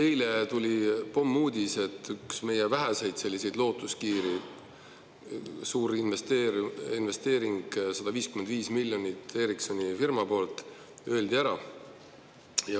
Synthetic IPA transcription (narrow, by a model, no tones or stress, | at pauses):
he̞jle̞t̪ulʲipo̞mːuːd̪̥ʲise̞t̪ːyksme̞jevæɦæse̞jd̪̥se̞lːise̞jd̪lo̞ːt̪ːˑuskiːɾi | suːɾinvest̪eːɾinve̞st̪e̞ːɾiŋɡ̥sɑd̪̥ɑviːskymend̪viːsmilʲːjo̞nʲit̪ːe̞ːɾikso̞nʲifirmɑpo̞ːlt̪ˑ | ø̞eld̪iæɾɑ | jɑ